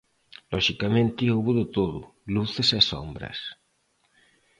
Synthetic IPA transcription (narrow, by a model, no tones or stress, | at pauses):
lɔʃikamẽnt̪ioβuðʊt̪oðʊluθeseso̰mbɾɐ̰s